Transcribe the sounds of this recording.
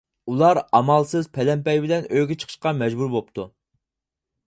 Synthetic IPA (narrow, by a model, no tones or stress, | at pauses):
ulˠɑɾɑmɑlˠsɨzpʰɛlɛmpɛjbɪlɛnøjɡʲɪt͡ʃʰə̥qʰəʃqɑmɛd͡ʒbuɾbop̚t̪ʰu